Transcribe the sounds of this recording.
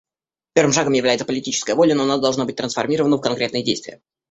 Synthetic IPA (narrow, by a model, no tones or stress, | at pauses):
pʲe̞rvɨmʂaɡəmjɪvlæjɪt̪səpəlʲɪtʲit͡ɕɪ̥skəjəvo̞lʲənoɐnad̪ɐlˠʐnabɨt̚ʲt̪ɾənsfɐrmʲiɾəvənəfkɐnkɾʲe̞t̪nɨjədʲḛjst̪vʲɪ̰jə̰